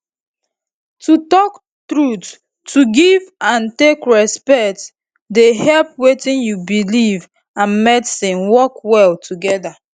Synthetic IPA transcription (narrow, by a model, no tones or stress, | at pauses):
tutɔk | tɹutː | uɡivãntekɹɛspɛkt | dehɛlpwetĩnjubiliv | ãnmɛtsĩnwɔkwɛltʰuɡɛda